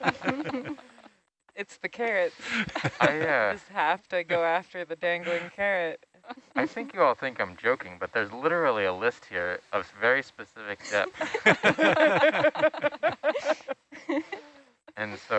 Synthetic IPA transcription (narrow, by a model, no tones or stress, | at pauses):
ɨtsðɨkʰɛɹɨtaɪjæʌst̚hæftɨɡoʊæftə˞ðɨdæ̃ŋɡl̩ˠɪ̃ŋkʰɛɹɪt̚ | aɪθɪ̃ŋkjɨɔlˠθɪ̃ŋkãɪ̃md͡ʒoʊkɪ̃ŋbʌt̪̚ðə˞zlɪɾə˞l̩ˠiəlɪst̚hiɹʔʌvvɛɹispɨsɪfɨk̚d̥ɛ̰p | ɨ̃nsoʊ